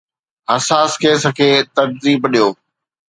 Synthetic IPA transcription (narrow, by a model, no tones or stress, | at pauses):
ɦɐsaːskeːsəkʰeːt̪ɐɾziːbɗijoː